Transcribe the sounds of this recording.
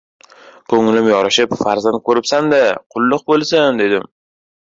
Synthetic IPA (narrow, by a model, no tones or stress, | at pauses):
kʰɵŋɪlɪmjɒɾɪʃɪpfaɾzant̪̚kʰɵɾɪpsand̪aqʰʊlˠːʊq̚bolˠsand̪e̞d̪ɪm